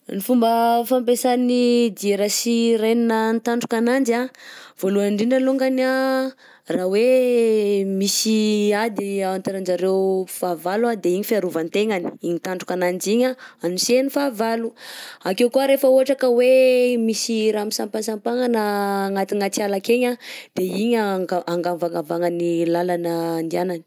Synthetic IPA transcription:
nifumbəfampesanid̪ieɾəsireninənt̪aɳɖ͡ʐu̥kanand͡ʒav̥oluaɳɖ͡ʐiɳɖ͡ʐəluŋɡana | rawe | misiad̪iawant̪eɾand͡ʒaɾewfavalad̪eiɲifiaɾuvant̪eŋani̥iɲit̪aɳɖ͡ʐu̥kanand͡ʒiɲaanusenifavaluakewkuaɾefəuɦaʈ͡ʂakəwemisiɾaamisampansampaŋanaŋat̪iŋat͡sialakeɲad̪̥eiɲaɡaaŋɡavaŋavaŋanilalanəːnd̪ianani̥

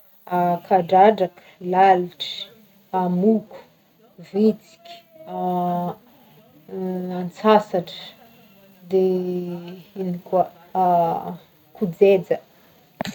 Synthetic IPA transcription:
akʰaɖ͡ʐaɖ͡ʐak | laliʈ͡ʂi̥ | amuku̥ | vit͡si̥kʲ | a | ant͡sasaʈ͡ʂə̥ | d̪e | inikuə | kud͡zed͡zə

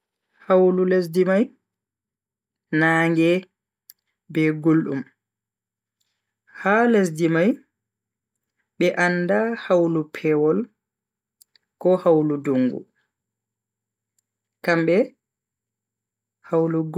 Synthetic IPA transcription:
hawlules̬dimaj | naːŋɡɛ | bɛɡulɗṵm | hales̬dimaj | ɓɛʔanːdahawlupʰɛwɔl | kɔhawluduŋɡṵ | kamɓɛ | hawluɡ

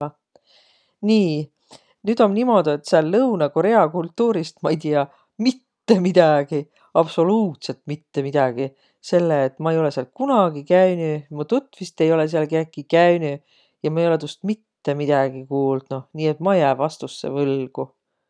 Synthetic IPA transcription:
niː | nyd̪̥o̞nnimo̞d̪uet̪seɑlːɤwnɑko̞ɾe̞ɑkult̪ːuːɾist̪mɑejt̪iɑ | mit̪ːe̞mid̪̥ɑɡ̥i | ɑb̥so̞luːt̪se̞lt̪mit̪ːe̞mid̪̥ɑɡ̥i | se̞lːeːt̪ːˑmɑe̞jo̞le̞siɑl̚kunɑɡikæynymɑt̪ut̪ːˑvist̪e̞jo̞le̞s̬eɑlkeːkːikæyny | jɑmɑejo̞le̞t̪ust̪̚mit̪ːe̞mid̪̥ɑɡ̥ikuːld̪̥nuniːe̞t̪mɑjæːvɑst̪usːḛvɤlɡ̥u

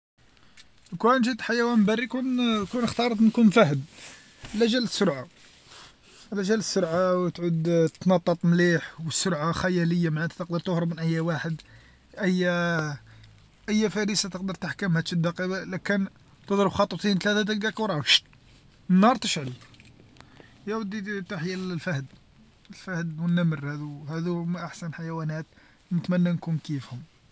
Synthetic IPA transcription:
kwænʒit̪ħajæwænbærːikunkunəxt̪ɑɾˤt̪nkunfæhəd | læʒæləsːʊɾʕa | læʒælsːʊɾʕawt̪ʕud̪t̪nɑt̪ˤːət̪ˤmliħwəsːʊɾʕaxæjæləjːamaʕæt̪æ̥t̪əq̚d̪əɾˤt̪ʊhɾəbmənʔəjːæwaħəd̪ | ʔæjːæ | ʔəjːæfæɾəsat̪əqd̪əɾt̪aħkæmhæd̪ʃəd̪ːɑqiwlækən | t̪əd̪ˤɾəbxɑt̪ˤːt̪ˤint̪læt̪æd̪əlɡækwɾˤɑwʃ | ənːɑɾˤt̪əʃʕəl | jæwəd̪ːit̪aħjlfæhd̪ | əlfæhd̪wənːæməɾhæd̪uhæd̪umʔaħsænħajwænæt̪ | nət̪mænːænkumkifhʊm

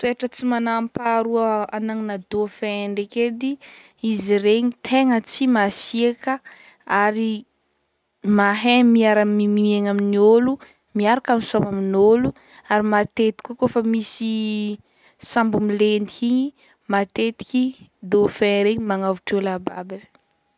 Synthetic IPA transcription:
t̪ueʈ͡ʂət͡simanampaɾuəanaŋinad̪ofeɳɖ͡ʐeked̪i | iziɾeɲit̪ʰeŋət͡simasiekə | aɾi | maɦemiaɾamimieŋaminiolu | miaɾakaminsamaminolu | aɾimat̪et̪i̥kokofamisi | sambumilend̪iiɲi | mat̪et̪i̥kʲid̪ofɛɾeɲimaŋavuʈ͡ʂolababel

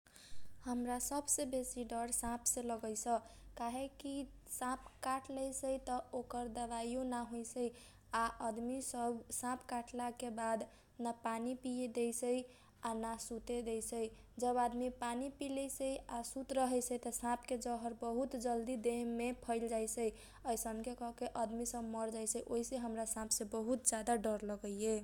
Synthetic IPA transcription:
həmɾasəbsẽbesiɖəɾsãpʰsẽləɡəjsʰəkaɦekisãp̚ʰkaʈləjsəjt̪əokəɾd̪əʋajonaɦojsəj | aʔəd̪misəbsãpʰkaʈlakebad̪ | napanipijed̪ejsəj | anasut̪ed̪ejsəjd͡ʒəbad̪mipanipiləsəjasut̪ɾəɦɛt͡ʃət̪əsãpked͡ʒəɦəɾbəɦut̪d͡ʒəld̪id̪eɦmepʰəɪld͡ʒajsəj | əjsəmkekɔɦkeʔəd̪misəbməɾd͡ʒajsəjʔoiseɦəmɾasãpʰsẽbəɦut̪̚d͡ʒad̪aɖəɾləɡəjje

